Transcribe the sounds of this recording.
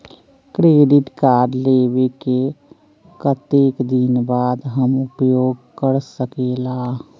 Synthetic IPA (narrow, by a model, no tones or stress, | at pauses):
kɾeːɖɪʈkaːɾɖlebeke | kət̪eːkd̪inbaːd̪ɦəmʊpjoːɡkəɾsəkeːlaː